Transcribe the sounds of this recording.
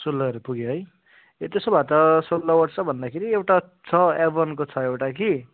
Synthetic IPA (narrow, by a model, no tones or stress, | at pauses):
sulːʌʌɾopuɡjoɦʌj | t̪esobʱat̪ʌsolːʌwʌʈt͡sʰʌbʱʌnd̪akʰeɾiewʈa | t͡sʰʌebʌnkot͡sʰʌewʈaki